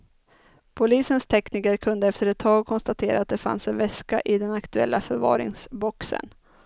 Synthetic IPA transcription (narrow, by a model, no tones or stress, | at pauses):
pʰʊliːsənst̪ʰɛkniːkəɾkʰɵnd̪əɛft̪əɾɛt̪ʰːɑːɡ̚kʰɔnst̪at̪ʰeːɾaːt̪̚d̪ɛfa̰nsɛnvɛskaʔɪd̪ɛnakt̪ɵɛ̰lːafœɾvɑ̰ːɾɪ̰ŋsbɔksə̰n